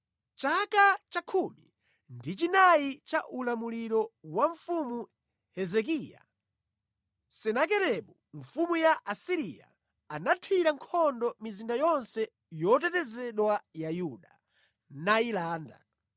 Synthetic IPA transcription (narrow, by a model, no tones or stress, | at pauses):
t͡ʃakat͡ʃakʰumi | ndit͡ʃinait͡ʃaʔulamuliɾɔwaɱfumu | hɛzɛk̬ija̰ | sɛnak̬ɛɾɛɓu | ɱfumujaʔasiɾija̰ | anatʰwiɾaŋkʰɔndɔmizindajɔnsɛ | jɔt̬ɛtɛzɛɗwajajuɗa | nailaːnda̰